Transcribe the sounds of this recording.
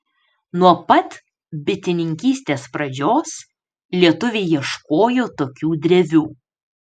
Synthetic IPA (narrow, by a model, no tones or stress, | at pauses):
nuɔpɐt̪ | bʲɪt̪ʲɪnʲɪŋʲkʲiːsʲt̪ʲeːspɾɐd͡ʒʲoːs | lʲiɛt̪ʊʋʲeːjiɛʃkoːjoːt̪oːkʲuːd̪ʲɾʲɛʋʲuː